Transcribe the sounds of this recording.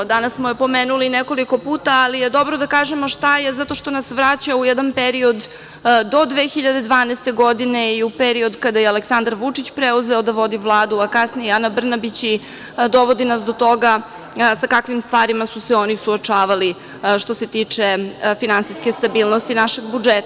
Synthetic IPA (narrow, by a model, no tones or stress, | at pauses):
d̪anassmojepo̞meːnulineko̞liko̞puːt̪aːlijed̪o̞bɾod̪akaːʒemoʃt̪ajezat̪o̞ʃt̪o̞nasʋɾat͡ɕaujɛd̪anpeɾio̞d̪ː | o̞d̪ʋeːxiʎad̪e̞d̪ʋaːnɛst̪e̞ɡo̞d̪ineiupeɾio̞d̪kad̪ajeale̞ksand̪aɾʋut͡ʂit͡ɕpɾeuzeo̞d̪aʋo̞d̪ivlˠaːd̪uakasnijeanabr̩nabit͡ɕi | d̪o̞ʋo̞d̪inasd̪o̞t̪o̞ɡa | sakakʋimst̪ʋaːɾimasuseo̞nisuot͡ʂaːʋali | ʃt̪o̞se̞t̪it͡ʂefinant̪siske̞st̪abiːlˠnost̪inaʃe̞ɡbud͡ʒet̪a